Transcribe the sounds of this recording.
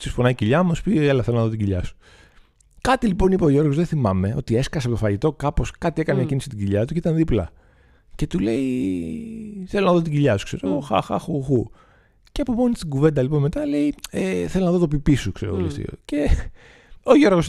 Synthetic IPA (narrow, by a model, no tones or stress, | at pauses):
sisfonɐiciʎɐmuspielɐθelo̞nɐðoiɟiʎɐsu̥ | kɐt̪ilipo̞nipeoʝo̞ɾɣo̞zðeθimɐme̞ʔo̞̰t̪ie̞skɐsepot̪ofɐʝit̪o̞kɐpo̞skɐt̪iekɐneːcinisi̥t̪iɟiʎɐt̪uceit̪ɐnðiplɐ | ce̞t̪ule̞i | θelo̞nɐðo̞t̪iɟiʎɐsu̥kse̞ɾeɣoxɐ̰xɐ̰xuxu | ceɐpomonist̪iɡuve̞nd̪ɐlipo̞nme̞t̪ɐle̞ieθelonɐðot̪opipisukseɾeɣo̰lḭft̪ḭo̰ce̞ | oʝo̞ɾɣos